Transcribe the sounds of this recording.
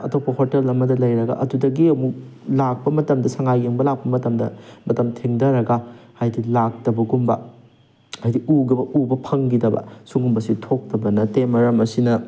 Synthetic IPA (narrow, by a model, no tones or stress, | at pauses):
ɐ̰topːɐhotelɐmːɐdɐlɐjɾɐɡɐ̰ʔɐdudɐɡiɐmuklak̚pɐmɐtɐmdɐsɐŋajeŋbɐlak̚pɐmɐtɐmdɐ̰mɐtɐmtʰiŋdɐɾɐɡɐhajdilak̚tɐbɐɡumbɐ̰ | hajdiuɡɐɐubɐpʰɐŋɡidɐbɐ̰suŋumbɐsitʰok̚tɐbɐnɐtemɐɾɐmɐsinɐ